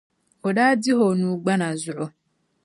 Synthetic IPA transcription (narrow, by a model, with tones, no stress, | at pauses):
o˨da˦dɪ˦ɦo˨nu˨ɡ͡ba˦na˨zʊ˨ɾo˨